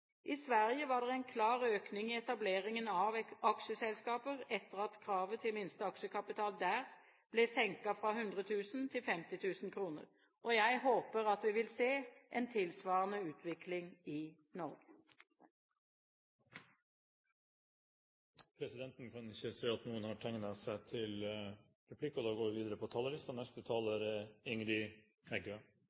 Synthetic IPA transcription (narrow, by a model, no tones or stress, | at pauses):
ʔɪsʋæʁjəʋɑːd̪ɛʁɛɪnkʰlɑːʁøːknɪŋɪɛt̪ɑbleːʁɪŋənɑʋɑkʃəsɛlskɑːpəʁɛt̪əʁɑt̪kʰɾɑːʋət̪ʰɪlmɪnst̪əɑkʃəkʰɑpɪt̪ʰɑːld̪æːʁ | b̥lɛsɛŋkɑfʁɑɦʉnd̪ʁət̪ʰʉːsn̩t̪ʰɪlfɛmt̪ɪt̪ʰʉːsn̩kʰɾuːnə̰ʁ | ʔɔjæɪɦoːpəʁɑt̪ʋɪʋɪlseːʔent̪ʰɪlsʋɑːʁnəʉːt̪ʰʋɪklɪŋɪ | nɔʁɡə | pʰɾɛsɪd̪ɛnt̪nkʰɑnɪçːəseːɑt̪nuːənhɑʈʰɛŋnɑsæɪt̪ʰɪl | ɾɛpʰlɪkːɔd̪ɑːɡoːʋɪʋiːd̪əɾəpʰɔt̪ʰɑləɾɪst̪ɑnɛst̪ət̪ʰɑːləɾɪŋɾɪ | ɛɡø